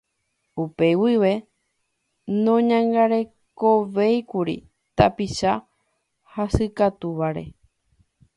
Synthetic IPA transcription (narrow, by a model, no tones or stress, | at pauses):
upe̞wiʋe̞ | nõɲãŋɡaɾe̞ | ko̞ʋe̞jkuɾḭ | t̪apiʃa | hasɨkat̪uʋaɾe̞̰